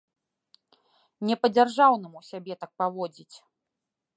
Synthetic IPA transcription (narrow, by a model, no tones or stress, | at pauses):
nʲɛpɐd͡zʲarʐawnɨmusʲabʲɛt̪ak̚pavɔd͡zʲit͡sʲ